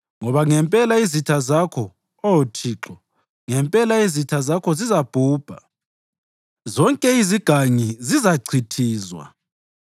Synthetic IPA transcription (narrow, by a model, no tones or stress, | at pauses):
ŋɔβaŋɛmpʼɛlaizitʰazakʰɔ | ootʰiːǁɔ | ŋɛmpʼɛlaizitʰazakʰɔzizab̥ʱuːb̥ʱa̰ | zɔŋkʼɛiziɡ̥ʱaŋizizaǀʰitʰiːzwa̰